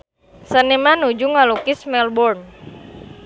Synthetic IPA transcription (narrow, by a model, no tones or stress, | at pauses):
sənemanud͡ʒuŋalukismɛlbɔrn